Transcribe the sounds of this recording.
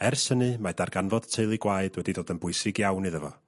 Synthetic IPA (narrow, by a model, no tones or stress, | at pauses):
ɛrsənɨmadarɡanvɔd̥tʰeɨlˠiɡwaɨd̥wɛdidoːdənbʊɨsɪɡjawnɨðəvɔ̰